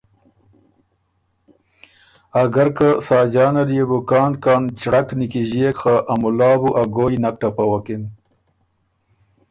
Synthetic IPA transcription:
aɡɐɾkasɑːd͡ʑɑːnaɾjebukɑːnkɑːnt͡ʃɽaknikiʑiekxaʔamulɑːbuʔaɡoːjnak̚ʈapawakin

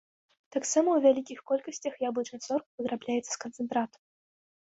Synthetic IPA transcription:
t̪aksamɐwvʲalʲikʲixkɔlʲkəsʲt͡sʲɐxjablˠɨt͡ʂnat̪sɔrkvɨd̪ɾablʲajɛt̪sːɐ̥skɐnt̪sɨnt̪ɾat̪

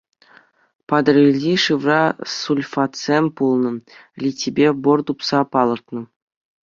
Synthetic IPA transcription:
pɑd̪ɤ̆rʲilʲdʲiʂɯʋrɑsulʲfɑt̪sʲemʲpulˠnɤ̆lʲitʲibʲebort̪upsɑpɑlˠɤ̆rt̪nɤ̆

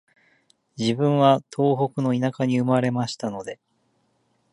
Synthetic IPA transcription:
d͡ʑibɯ̟̃ɰ̃βat̪ʰo̞ːɦo̞kɯ̟no̞inakaɲ̟iɯ̟maɾe̞maɕi̥t̪ano̞d̪e̞

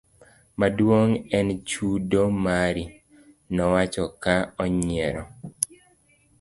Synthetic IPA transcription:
madwoŋɛnt͡ʃudomaɾi | nɔwat͡ʃɔkaɔɲɪɛɾɔ

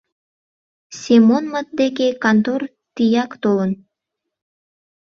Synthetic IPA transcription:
sʲemonmət̪̚d̪ekekant̪or | t̪ijɑkt̪olˠən

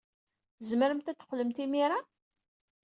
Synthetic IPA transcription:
θzməɾəmt̪æt̪ːə̥qːləmt̪imiɾa

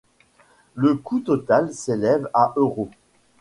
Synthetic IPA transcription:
ləkʰut̪ɔt̪alselɛvaʔøʁo

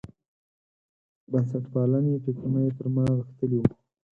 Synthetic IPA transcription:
basaʈpɑlaneʈikunajp̪əɾmaɣəxt̪əli

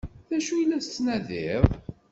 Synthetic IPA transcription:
ðæʃujlːæst͡sːnæðɪðˤ

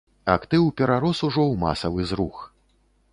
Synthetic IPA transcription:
akt̪ɨwpʲɛɾaɾɔsuʐɔwma̰sɐvɨzɾux

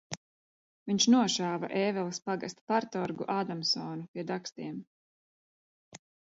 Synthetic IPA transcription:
viɲt͡ʃnuɔʃaːva̰ʔɛːvɛlˠɐspaɡast̪paɾt̪ɔɾɡṵʔaːd̪amsɔːnupʲiɛd̪akst̪iɛm

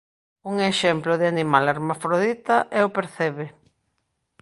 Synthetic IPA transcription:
uŋeʃɛmplʊðɪanimalaɾmafɾoðit̪ɐʔɛʊpeɾθɛβɪ

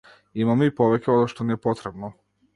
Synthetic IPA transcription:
imamoipoʋekʲeod̪aʃt̪onijepot̪ɾebno

